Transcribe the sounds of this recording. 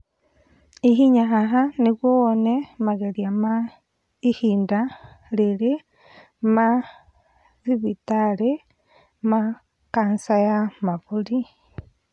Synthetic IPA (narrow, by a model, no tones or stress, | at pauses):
iɦiɲaɦaɦanikwoonemaɣeljama | ihiːnda | lile | ma | ðiβitaɾe | ma | kaːnsajamaβuli